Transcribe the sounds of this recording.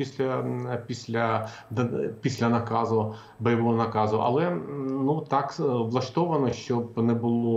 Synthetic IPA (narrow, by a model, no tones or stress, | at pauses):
isʲlʲɐpʲisʲlʲɐ | d̪pʲisʲlʲɐnɐkɑzʊ | bɔjɐʋɔɦɔnɐkɑzʊʔɐ̰lˠɛnut̪ɑkʋlˠɐʂt̪ɔʋɐnɔʃt͡ʃɔb̚nɛbʊlˠɔ